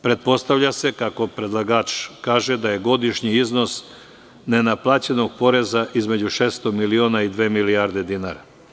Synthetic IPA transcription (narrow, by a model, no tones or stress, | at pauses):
pɾe̞t̪̚po̞st̪aʋʎase̞kako̞pɾe̞d̪lˠaɡaːt͡ʃkaːʒed̪aje̞ɡo̞d̪iʃɲiizno̞s | ne̞naplˠaːt͡ɕe̞no̞ɡ̚po̞ɾe̞zaʔizme̞d͡ʑuʃeːst̪o̞milionaid̪ʋeːmiliaɾd̪e̞d̪inaːɾa